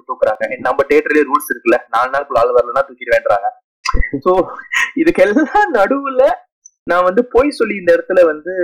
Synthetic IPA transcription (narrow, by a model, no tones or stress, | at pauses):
ʈ̪uːkːɐɾa̰ːŋɡɐ̃nɐmbɐʈeːʈːɐɾlẽːɾuːɭsɪɾɯkːɯlɐnaːlnaːɭkːɯɭaːlɐʋɐɾlɐnãːt̪ʊkːɪɾɐʋeːɳɖɾa̰ːŋɡɐ | soːɪðɯkːɛlːɐt̪ãːnɐɽɯʋɪlːɐ | nãːʋɐnd̪ɯpoːjsɔlːɪɪnd̪ɐɪɽɐt̪ːɯlɐʋɐnd̪ɯ